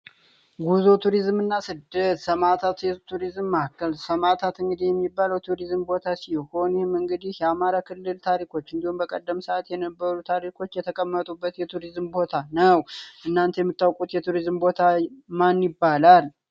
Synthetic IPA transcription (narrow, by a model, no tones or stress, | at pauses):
ɡuzo̞t̪ʰuɾizmɨnːasɨd̪ət̪səmat̪ʰat̪jɛt̪ʰuɾizmːakːəlsəmat̪ʰat̪ɨŋɡɨd̪ihjɛmːibːaləwt̪ʰuɾizmbo̞t̪ʰasiho̞njihɪmɨŋɡɨd̪ihjɛamaɾakʰɨlːɨlt̪ʰaɾikʰo̞t͡ʃːɨnd̪ihumbəkʼəd̪ːəmsəʔat̪jɛnəbːəɾut̪ʰaɾikʰo̞t͡ʃːjɛt̪ʰəkʼəmːət̪ʼubːət̪jɛt̪ʰuɾizmbo̞t̪ʰanəwʔɨnːant̪ʰjɛmːɨt̪ːawkʼut̪jɛt̪ʰuɾizmbo̞t̪ʰamanjɪbːalal